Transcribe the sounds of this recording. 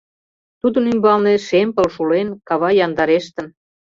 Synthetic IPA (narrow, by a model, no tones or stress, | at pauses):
t̪ud̪ə̆nymbɑlneʃempə̆lʃulenkɑβɑjɑnd̪ɑɾeʃt̪ə̆n